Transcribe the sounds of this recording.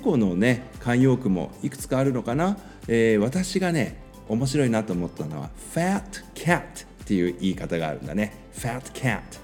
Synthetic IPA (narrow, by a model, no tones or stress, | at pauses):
ko̞no̞ne̞kãɰ̃jo̞ːkɯ̟mo̞̰ikɯ̟̥t͡sɨ̥kaːɾɯ̟no̞kana | eːβat̪aɕiɡane̞ | o̞mo̞ɕiɾo̞inat̪oːmo̞t̪ːano̞̰βa̰ɸat̪kʲʰat̪ː | e̞jɯ̟ːʔiːkat̪aɡa̰ːɾɯ̟̃nd̪a̰ne̞ | ɸat̪kʲʰa̰t̪